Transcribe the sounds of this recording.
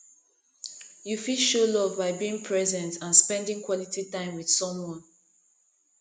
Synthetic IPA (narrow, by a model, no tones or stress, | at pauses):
jufilʃolɔvbaɪbiĩŋpʰɹɛzɛ̃ntãnspɛ̃ndĩŋkʰwɔlititãɪ̃mwið̥sɔ̃mwɔ̃n